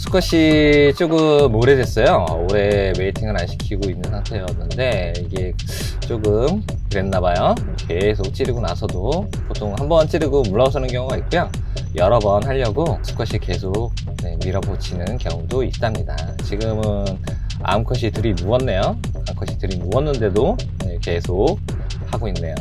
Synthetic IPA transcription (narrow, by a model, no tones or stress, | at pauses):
sʰu̥kʰʌɕ͈ʰit͡ɕ͈oɡɯmːoɾedwe̞s͈ʌjooɾe̞we̞itʰiŋɯɾanɕʰi̥kʰiɡoinːɯnsʰaŋtʰe̞jʌnːɯnde̞ | iɡe̞ | t͡ɕ͈oɡɯm | kɯɾe̞nːabajo | ke̞sʰok̚t͡ɕ͈iɾiɡonasʰʌdo | potʰoŋhambʌnt͡ɕ͈ʰiɾiɡomuɭːʌs̬ʰʌnɯnkjʌŋuɡait̚k͈ujo | jʌɾʌbʌnɦaʎːʌɡosu̥k͈ʰʌɕʰike̞sʰok̚ | ne̞miɾʌbot͡ɕʰinɯnkjʌŋudoit̚t͈amɲida̰ | t͡ɕiɡɯmɯn | a̰mkʰʌɕ̬ʰitɯɾimuwʌnːe̞jo | amkʰʌɕʰitɯɾimuʌnːɯnde̞do | ne̞ke̞sʰok̚ | haɡoinːe̞jo